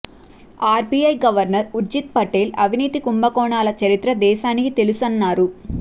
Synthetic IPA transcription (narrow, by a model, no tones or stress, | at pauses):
aːɾpiɐjɡɐʋɐɾnɐɾuɾd͡ʒit̪̚pɐʈeːlɐʋʱiniːt̪ikumbɐkɔːɳaːlɐt͡ʃɐɾit̪ɾɐd̪ɛːʃaːnikit̪e̞lusɐnːaːɾu